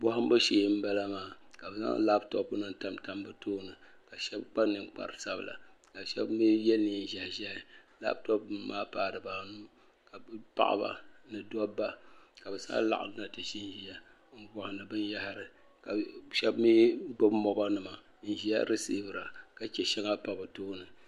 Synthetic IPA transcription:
bɔ˦ɦʊ˦m̩˦bɨ˦ʃeː˨˦m̩˦bɛ˦la˦maː˨ka˨bɛ˨sa̰˦la˦btɔ˦pnɨ˨n˦ta˦mta˦mbɨ˦tʰoː˦nɨ˨ | ka˨ʃɛ˦bk͡pa˦nɨ˨ŋk͡pa̰˨ɾɨ˨sa˦b̰la̰˨ka˨ʃɛ̰˦bmi˦jɛ˦ni˨n˨ʒa˨hʒɛ˦hɪ˨la̰˦btɔ˦pmaː˦paː˨dɨ˨ba˨nuː˦ | ka˨bpa̰˦ʔa̰˨ba̰˨nɨ˨dɔ˦bːa˦ka˨bɛ˨sa̰˦la̰˦ʔa̰˨˦na˨tɨ˨ʃi˦nʒi˦a˨ | ŋ̩˨ɡɔ˨hɪ˨nɨ˨bɨ˦n˦ja˦ha˨ɾɨ˨ | ka˨ʃɛ˦bmiː˦ɡ͡bɔ˦bmɔ˦ba˦nɨ˨ma˨ | n̩˨ʒi˦a̰˦ɾɨ˦si˦bɨ˨ɾa˨ka˨t͡ʃɛ˨ʃɛ˦ŋa˦pa˨bɨ˨toː˦nɨ˨

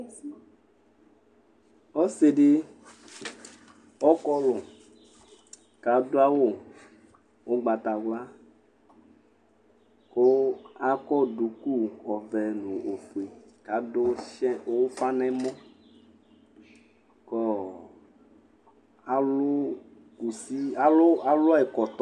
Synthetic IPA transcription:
ɔ˦se˨ɖɪ˦ | ɔ˦kɔ˦lɔ˨ | ka˨do˦a˦wo˦˨ | wo˦ɡ͡ba˨t̪a˨ɡla˦ | ko˦a˦kɔ˦du˨ku˦ɔ˨vɛ˨nũ˨o˨fu˨e˨ka˨do˦ʃɛ˦o˦wo˦fa˦nɛ̃˦mɔ̃˦ | kɔ˦ | a˨lʊ˦ | ku˨si˦a˦lo˦a˦lʊ˦˨ɛ˨kɔ˨t̪

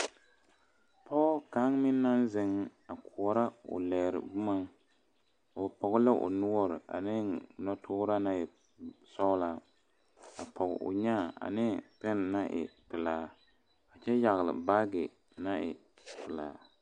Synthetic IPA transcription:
pɔ˦ɡɔ˦ka˨˦ŋmɪ˦nː˦a˦n˦zɪ˨ŋ˦a˨ku˨ɔ˨ɾa˦ʊ̰˨lɛ˨ɾɪ̰˨bʊ˦ma˦ŋ˨ | pɔ˨ɡʊ˦lɛ˦ʔʊ̰˨nu˦ɔ˦ɾɨ˨ʔa̰˨nɪ˦nɔ˦tʰʊː˦ɾa˦na˦ɪ˨ | sɔ˦la˦ | a˨pʰɔ˨ɡ̰ʔʊ̰˨ɲa˦˨a̰˨nɪ˦pɛ˦n˨na˦ʔɪ̰˨pɨ˨laː˨ | a˨t͡ʃɛ˦ja˨ɣlɪ̰˨ba˦ɡɪ˨ | na˦ʔɪ̰˨ | pɪ˨laː˨˦

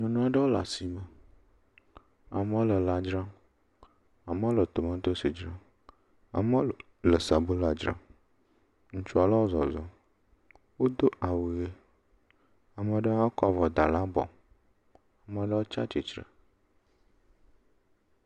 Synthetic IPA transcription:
ɲõ˨nũ˦a˦ɖə˦wo˦la̰˨si˨mə˨ | a̰˨mə˦o˦lə˨la˨d͡ʒɾã˦ | a˨mə˦wo˦lə˨t̪o˨mã˦d̪o˦si˨d͡ʒɾã˦ | a̰˨mə˦˨ | lə˨sa˨bu˦la˨d͡ʒɾã̰˦ | ŋ̩̃˦t͡ʃu˦a˨la˦wo˦zɔ̰˨zɔ˨ | wo˦d̪o˦ʔa˨wi˨ɣe˦ | a˨mə˨ɖə˦a˦kɔ˨vɔ˨d̪a˨la˦bɔ̰˨ | a˨mə˨ɖə˦wo˦t͡ʃa̰˦t͡ʃi˨t͡ʃɾə̰˨

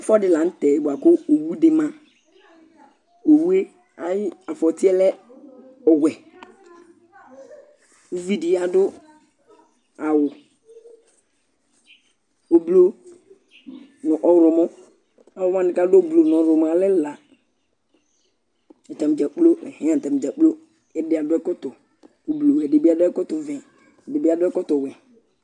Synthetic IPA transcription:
fɔ˦dɪ˨la˨n̩˦tɛ˨bʊ˨a˨kʊ˦o˨wu˦dɪ˨mã˦ | o˨wu˦e˦ | a˨jɪ˦a˨fɔ˨tɪ˦ɛ˦lɛ˦ | ɔ˨wʷɛ˨ | ʊ˦vi˦dɪ˨˦a˦dʊ˦ | a˨wʊ˨ | o˨blo˦ | nʊ˨ʔɔ˨ɾʊ˨mʊ˦ | a˨wʊ˦m˦ã˦nɪ˨ka˦dblo˨n˨ɔ˨ɾʊ˨m˨a˨lɪ˦la˨ | ta˨m˨d͡ʒa˨k͡plo˦ɛ̰˨hɛ̃˦a˦˨ta˨m˨d͡ʒa˨k͡plo˦ | ɛ˦dɪ˦a˨dʊ˦ɛ˦kɔ˦tʊ˨ | o˨blo˨wɛ˨dɪ˨bi˦a˦dʊ˦ɛ˦kɔ˦tʊ˨vɛ̃˨ | dɪ˨bi˦a˦dʊ˦ɛ˦kɔ˦tʊ˨wɛ˨

